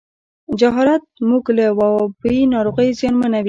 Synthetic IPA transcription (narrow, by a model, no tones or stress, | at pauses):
d͡ʒaɦɑɾat̪̚muɡlawabəinɑɾoɣəjzjɑnmənawi